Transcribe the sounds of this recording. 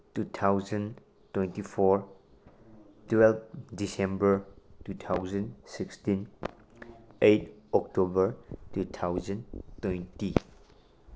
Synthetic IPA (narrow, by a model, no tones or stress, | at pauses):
tutʰawzən | twentipʰɔɾ | twɛlp̚disembəɾtutʰawzənsikstin | ejtɔk̚tobəɾtutʰawzəntwejnti